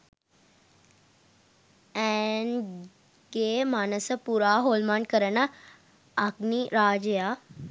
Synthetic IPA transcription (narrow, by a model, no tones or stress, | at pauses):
ɛːn | ɡeːmaːnəsəpuːɾaːɦoːlmãɳɖ̚kəɾəna | akniɾaːd͡ʒeja